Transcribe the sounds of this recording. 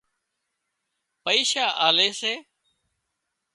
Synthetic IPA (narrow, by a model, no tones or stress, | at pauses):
pəiːʃaːʔaːleːseː